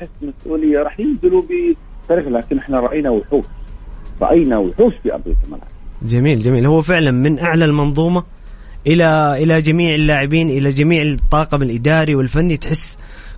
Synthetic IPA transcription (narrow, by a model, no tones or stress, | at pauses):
ħɪsːmasʔuːlɪjːaɾˤɑːħjɪbzɪlubi | t̪ːɑɾiːxlaːkɪnʔɪħnaɾˤɑʔajːnawɪħuːʃɾˤɑ̰ʔajnawħuːʃfiʔa̰bɾɪ̰t̪ma̰lʕabd͡ʒamiːld͡ʒamiːlhʊwːfɪʕlanmɪnʔaʕlalmɑnðˤuːmɑ | ʔɪlaʔɪlad͡ʒamiːʕɪlːaːʕɪbiːnʔɪlad͡ʒamiːʕɪt̪ˤːɑːqɑbɪlʔɪd̪aːɾiwɪlfanːit̪ħɪsː